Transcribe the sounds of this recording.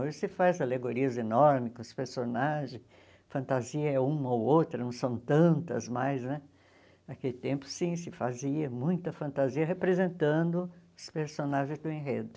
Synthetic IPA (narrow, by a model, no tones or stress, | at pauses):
oʒɪsɪfazaleɡoɾiɐzenɔɾmɪkɐspeɾsonaʒẽ | fɐ̃nt̪aziɐɛũmɐowowt̪ɾɐnɐ̃w̃sɐ̃w̃t̪ɐ̃nt̪ɐ̰zmajznɛ | akelɪt̪ẽmpʊ̥sĩsɪfaziɐmũj̃t̪ɐfɐ̃nt̪aziɐɦepɾezẽnt̪ɐ̃nd̪ʊʊspeɾsonaʒẽj̃zd̪ʊẽɦed̪ʊ